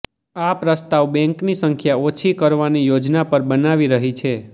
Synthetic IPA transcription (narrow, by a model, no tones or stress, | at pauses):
apɾəst̪aʋbɛ̃ŋknisəŋkʰjaot͡ʃʰikəɾʋanijod͡ʒnapəɾbənaʋiɾəɦit͡ʃʰe